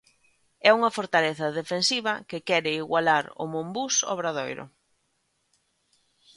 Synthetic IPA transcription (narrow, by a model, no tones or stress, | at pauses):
ɛuŋɐfoɾt̪aleθɐðefensiβɐkɪkɛɾɪiɣwalaɾʊ̰mõmbusɔ̰βɾaðojɾʊ̰